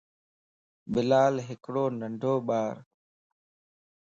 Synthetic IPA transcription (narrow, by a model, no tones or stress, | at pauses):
ɓɪlaːlɦɪkɽoːnəɳɖʱoːɓaːɾ